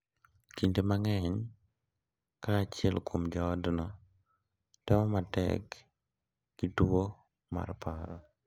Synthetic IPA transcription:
kintemaŋɛɲ | kaːt͡ʃɪɛlkʰomd͡ʒɔːdnɔ | tɛmɔmatɛ̰kː | itwo | ma̰ɾpaɾɔ

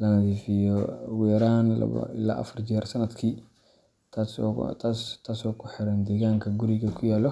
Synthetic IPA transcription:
lɐnɐðiːfɪjɔwɛːɾaːnɐ̰ɪ̰la̰ːʔɐ̰fɐrt͡ʃɛːrsɐnɐd̪kʰiː | t̪ʰast̪ʰaːst̪ʰaːsɔkʰʊħɪɾɐnd̪ɛːɣaːŋkʰɐɡʊɾɪɣɐkʰʊjaːlɔ

